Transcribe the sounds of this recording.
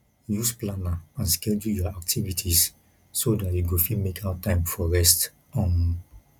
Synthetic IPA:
jusplanaãnskɛldujɔak̚tʰivitʰisː | odatjuɡofimekʰawtãɪ̃mfɔɹɛst | ɔ̃n

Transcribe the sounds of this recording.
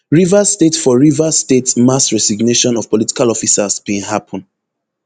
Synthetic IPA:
ɹivastetfɔɹivastetmasɹɛsiɡneʃɔ̃nɔv̥pɔliti̥kalɔfisasbẽhapʰɔ̃n

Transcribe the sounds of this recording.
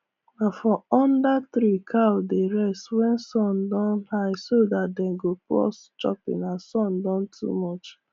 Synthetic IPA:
nafɔɔ̃ndat̪ɾikʰawdeɹɛstwɛnsɔ̃ndɔ̃nhaɪsodat̚dɛɡoplɔ̰s | t͡ʃɔ̰pḭ̃nasɔ̃ndɔ̃ntʰṵmɔt͡ʃ

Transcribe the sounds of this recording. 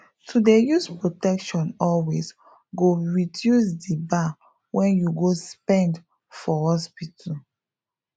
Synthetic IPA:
tʰudejuspɹotɛkʃɔ̃nɔlwes | ɡoɹidjusdiba | wɛ̃njuɡospɛ̃nd | fɔhɔspitʰa

